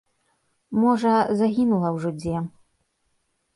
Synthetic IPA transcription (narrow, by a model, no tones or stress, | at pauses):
mɔʐɐzaɣʲinulˠɐwʐɔd͡zʲɛ